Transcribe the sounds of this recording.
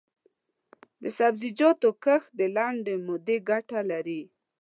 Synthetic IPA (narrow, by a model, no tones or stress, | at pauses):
d̪əsabzid͡ʒɑt̪okəxd̪əlaɳɖemʊd̪eɡaʈalaɾi